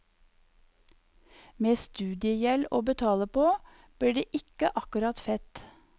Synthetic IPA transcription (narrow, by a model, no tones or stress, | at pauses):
meːst̪ʉːd̪ɪəjɛloːbət̪ʰɑːləpoː | b̥liːɖeːʔɪkəʔɑkʉɾɑt̪fɛt̪